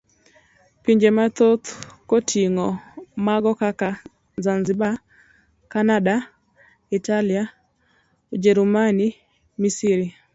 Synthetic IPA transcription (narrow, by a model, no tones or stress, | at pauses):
piɲd͡ʒemat̪ot̪kotʰiŋɔmaɡɔkaka | zanziba | kanada | italia | ud͡ʒɛɾumani | misiɾi